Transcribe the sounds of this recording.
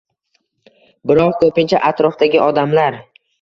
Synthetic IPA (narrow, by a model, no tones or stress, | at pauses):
bɪɾɒqkʰɵpɪnt͡ʃʰa̰ʔat̪ɾɒfd̪aɡʲɪʔɒd̪amlaɾ